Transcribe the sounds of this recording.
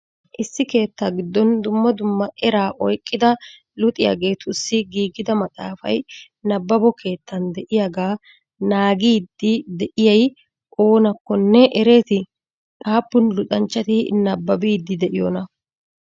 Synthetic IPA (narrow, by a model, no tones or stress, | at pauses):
ʔɪsːɪke̞ːt̪ːaːɡɪd̪ːɔnd̪ʊmːɐd̪ʊmːɐʔɛɾaːʔɔjkʼːɪd̪ɐ | lʊt̪ʼɪja̰ːɡe̞ːt̪ʰʊsːɪɡiːɡɪd̪ɐmɐt̪ʼa̰ːfɐ̰j | nɐbːɐbɔkʰe̞ːt̪ːɐnd̪ɛʔɪjaɡaː | naːɡiːd̪ːɪd̪ɛʔɪjɐj | ʔo̞ːnɐkːɔnːɛʔɛɾe̞ːt̪ɪ | ʔʼaːpːʊnlʊt̪ʼɐnt͡ʃːɐt̪ɪnɐbːɐbiːd̪ːɪd̪ɛʔɪjoːnɐ